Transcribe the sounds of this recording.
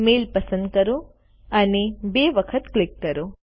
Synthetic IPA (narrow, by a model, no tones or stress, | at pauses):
meːlpɐsə̃nd̪̚kɐɾo | ɐnebeːʋəkʰət̪klɪkːɐɾo